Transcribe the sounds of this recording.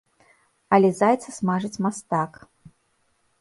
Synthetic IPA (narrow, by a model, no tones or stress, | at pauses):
ɐlʲɛzajt̪sɐsmaʐɨt͡sʲmast̪ak